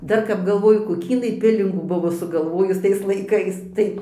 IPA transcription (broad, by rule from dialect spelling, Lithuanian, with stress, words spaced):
ˈdɐr kɐp ɡɐlˠˈʋoːjʊ koːˈkʲiː ɪˈnɐɪ ˈpʲɪlʲɪŋɡuː ˈbʊʋoː sʊɡɐlˠˈʋoːjʊs ˈtɐɪs lˠɐɪˈkɐɪs ˈtɐɪ